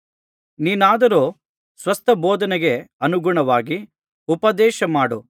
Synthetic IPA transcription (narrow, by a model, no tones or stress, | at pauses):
niːnaːd̪ɐɾoː | sʋɐst̪ʰɐboɔːd̪ɐnɛɡeɐnuɡuɳɐʋaːɡi | upɐd̪ɛːʃɐmaːɽu